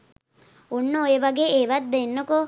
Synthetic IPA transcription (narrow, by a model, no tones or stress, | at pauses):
unːueʋɐɡeeːʋɐt̪̚d̪enːoko